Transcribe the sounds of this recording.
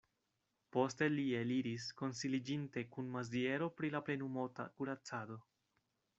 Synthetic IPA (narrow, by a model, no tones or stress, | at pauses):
po̞ste̞lieliɾisko̞nsilid͡ʒinte̞kunmazie̞ɾo̞pɾilaple̞numota̰kuɾat͡sado̞